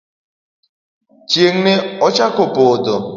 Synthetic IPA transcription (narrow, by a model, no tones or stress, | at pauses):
t͡ʃjeŋ̩neɔt͡ʃakopodo